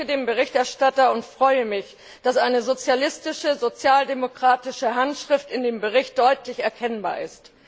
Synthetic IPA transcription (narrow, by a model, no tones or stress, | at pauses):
ədeːmbəʁ̞ɪçtɛɐʃtatɐʊntfʁ̥ɔʏəmɪç | d̥asʔaɪnəzot͡sjalɪstɪʃəzot͡sjaːldemokʁ̥aːtɪʃəɦantʃʁ̥ɪftɪndeːmbəʁɪçt̚d̥ɔʏtʰlɪçɛɐkʰɛnba̰ːɐʔɪ̰st